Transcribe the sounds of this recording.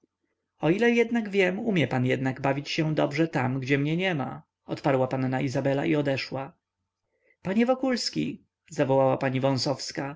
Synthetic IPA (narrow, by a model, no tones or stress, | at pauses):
ɔilɛjɛd̪naɡvʲjɛmumʲjɛpanjɛd̪naɡbavʲit͡ɕɕɛd̪ɔbʐɛt̪amɡd͡ʑɛmɲɛɲɛma̰ | ɔt̪paɾwapanːaizabɛla̰ʔiɔd̪ɛʂwa | paɲɛvɔkulskʲḭ | zavɔwawapaɲivɔ̃w̃sɔfska